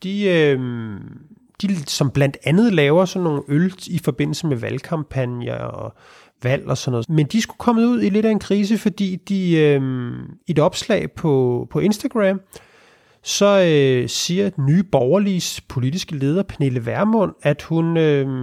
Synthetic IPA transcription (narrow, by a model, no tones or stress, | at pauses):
d̥iøm | d̥isɒ̽mb̥lænd̥ænð̩ˠlɛːʊɐsɒ̽nːo̝ːn̩øld̥ifɒ̽b̥e̝n̰l̩səmeʋælkʰɑ̈mpʰænjɐɒ̽ | ʋæl̰ɒ̽sɒnɔ̽ð̩ˠmend̥isɡ̥ukʰɒ̽məuð̞̰ˠile̝ɾæe̝nkʰʁiːs̬əfɒ̽d̥ḭːd̥iømie̝dɒ̽b̥slɛ̰ːɪpʰɒ̽pʰɒ̽e̝nsd̥æɡ̥ʁæm | sɒ̽øsiːɐnyːb̥ɒʊɐlispʰo̝lid̥isɡ̥əle̝ːð̞ˠɐpʰæne̝ləʋæɐmɔ̽n̰æd̥hunø